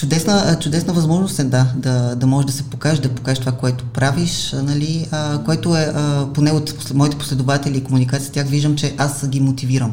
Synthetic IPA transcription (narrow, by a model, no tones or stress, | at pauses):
t͡ʃʊd̪ɛsnət͡ʃʊd̪ɛsnəvɐzmɔʒnost̪ɛd̪ad̪ɐd̪ɐmɔʒɛʒd̪ɐsɛpokaɛʃd̪ɐpo̥kaɛʃt̪ovakoɛt̪o̥pɾaviʃnɐliəkoɛt̪oɛʔəponɛot̪ | mɔit̪ɛpo̥slɛd̪ovat̪ɛlʲiːkomunikat̪sijət̪ʲjaxviʒd̪əmt͡ʃɛʔasɡʲimot̪iviɾəm